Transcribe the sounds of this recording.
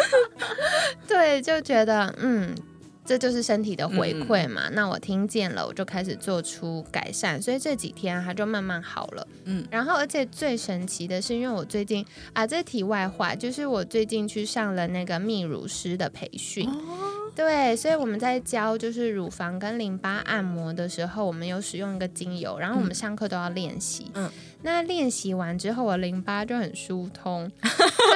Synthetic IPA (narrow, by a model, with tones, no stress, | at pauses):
t̪we˥˩ɪt͡ɕjo˥˩ʊt͡ɕɥɛ˧˥d̪ə˧n̩˥˩ | ʈ͡ʂɤ˥˧t͡ɕjo˥˧ʊʂ̬ɻ̩˥˩ʂə˥nt̪ʰi˨˩d̪ə˦xwe˧˥ɪkʰwe˥˩ɪmɐ̰˩na˥˩wɔ̰˨˩t̪ʰi˥ŋt͡ɕjɛ˥˩nlə̰˩wɔ̰˨˩t͡ɕjo˥˩ʊkʰa˥ɪʂ̬ɻ̩˨˩t͡swɔ˥˩ʈ͡ʂʰu˥ka̰˨˩ɪʂa˥˩nswɔ˧˥i˨˩ʈ͡ʂɤ˥˩t͡ɕḭ˨˩t̪ʰjɛ˥nxa˧˥t͡ɕjo˥˧ʊma˥˧nma˥˩nxɑ̰˨˩ʊlə̰˦˩ɻa˧˥nxo˥˩ʊə˞˧˥t͡ɕʰjɛ˨˩t͡swe˥˩ɪʂə˧˥nt͡ɕʰi˧˥d̪ə˧ʂɻ̩˥˩i˥nwe˥˩ɪwɔ˨˩t͡swe˥˧ɪt͡ɕi˥˩n | a˥˧t͡sɤ˥˩t̪ʰi˨˩wa˥˧ɪxwa̰˥˩t͡ɕjo˥˧ʊʂɻ̩˥˩wɔ˨˩t͡swe˥˧ɪt͡ɕi˥˧ŋt͡ɕʰy˥˧ʂɑ˥˩ŋlə˩na˥˩ɪɡə˩mi˥˩ɻṵ˧˥ʂɻ̩˥d̪ə˨pʰe˧˥ɪɕy˥˩nt̪we˥˩ɪswɔ˧˥i˧˥wɔ˨˩mə˦nt͡sa˥˩ɪt͡ɕjɑ˥ʊt͡ɕjo˥˧ʊʂɻ̩˥˩ɻu˨˩fɑ˧˥ŋkə˥nli˧˥ŋpa˥ʔa̰˥˩nmwɔ˧˥d̪ə˨ʂɻ̩˧˥xo˥˧ʊwɔ˨˩mə˦njo˧˥ʊʂɻ̩˨˩jʊ˥˩ŋi˧˥ɡə˧˨t͡ɕi˥ŋjo̰˧˥ʊɻa˧˥nxo˥˩˧ʊwɔ˨˩mə˦nʂɑ˥˧ŋkʰɤ˥˩t̪o˥ʊjɑ˥˧ʊljɛ̰˥˩nɕḭ˧˥ | na˥˧ljɛ˥˩nɕi˧˥wa˧˥nʈ͡ʂɻ̩˥xo˥˩ʊwɔ˩˦li˧˥ŋpa˥t͡ɕjo˥˧ʊxə˨˩nʂu˥t̪ʰʊ˥ŋ